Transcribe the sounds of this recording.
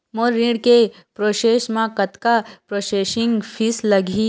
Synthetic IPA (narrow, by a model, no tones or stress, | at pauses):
moɾĩɽke | pɾoːʃeːʃmãkɐt̪kapɾoʃeːʃiŋɡfʰislɐɡʱi